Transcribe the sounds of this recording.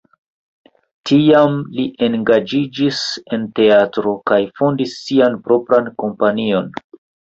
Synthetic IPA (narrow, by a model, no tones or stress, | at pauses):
tʰiamliʔe̞nɡad͡ʒid͡ʒise̞nte̞atɾo̞kajfo̞ndisːianpɾo̞pɾanko̞mpanio̞n